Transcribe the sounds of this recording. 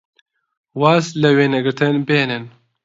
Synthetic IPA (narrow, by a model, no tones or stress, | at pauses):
waːslɛweːnɛɡɨɾt̪ʰɨnbeːnɨn